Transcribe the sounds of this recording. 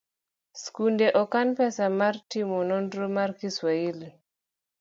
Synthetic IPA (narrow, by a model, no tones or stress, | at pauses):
skundɛʔɔkanpɛsamaɾtimɔnɔndɾomaɾkiswaili